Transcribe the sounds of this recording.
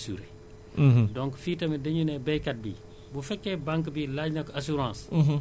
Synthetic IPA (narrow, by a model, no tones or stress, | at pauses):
sṵɾe | dɔŋkfiːtɐmɛdɐɲunɛbɛjkɐt̚bḭ | bufɛkːɛbaŋkbilaɟnɐkasuɾɑ̃ːs